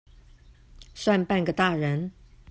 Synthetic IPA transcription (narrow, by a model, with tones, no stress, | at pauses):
swa˥˧npa˥˩nɡə˨˩t̪a˥˩ɻə˧˥n